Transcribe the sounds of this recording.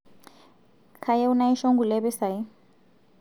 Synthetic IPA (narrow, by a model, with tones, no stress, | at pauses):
kʰa˨je˦u˦na˦i˦ʃo˦ŋɡu˨lɛ˦βɛ˦sa˨ji˦